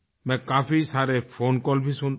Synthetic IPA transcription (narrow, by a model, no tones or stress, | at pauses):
mekapʰisaɾepʰonkɔlpʰisun